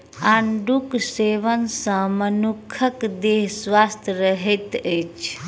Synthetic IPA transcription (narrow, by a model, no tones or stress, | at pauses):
aɳɖukseʋənsə̃mənukʰəkd̪eɦswast̪ʰɾəɦɛt̪ət͡ʃʰ